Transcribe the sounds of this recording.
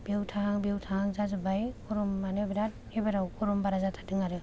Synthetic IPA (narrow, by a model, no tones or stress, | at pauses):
b̥wtʰaɦaŋbiwtʰahaŋzazɯbajkuɾɔmːanɯbiɾat̚ | ebaɾawkɔɾɔmbaɾazatʰadɯŋaɾɯ